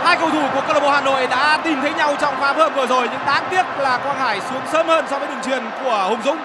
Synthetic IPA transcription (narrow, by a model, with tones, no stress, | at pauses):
haː˧jkə˨˩wt̪ʰu˧˩ku˧˩əkəː˧lo˧˩mo˧˦˩haː˨˩no̰˧˨jɗa̰ː˧˥t̪i˨˩mt̪ʰə˨˦jɲa˧wt͡ɕɔ˧wŋ͡mfaː˨˦˥p̚həː˧nvɨː˨˧˩zo˨˩jɲɨ̰˧˥ŋɗaː˨˦ŋt̪i˦˥ət̚laː˨˩kwaː˧nhaː˧˩jsu˨˦əŋsəː˨˦mhəː˧nsɔ˧vəː˨˦jɗɨ˨˩ŋt͡ɕwḭ˧˩ənku˧˩əhʊ˨˧˩ŋ͡mzʊ̰˦˥k͡pŋ͡m̚